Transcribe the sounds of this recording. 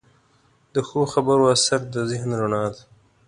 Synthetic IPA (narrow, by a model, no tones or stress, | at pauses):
d̪əxoxabaɾoasaɾd̪əzɪhnɾaɳɑːd̪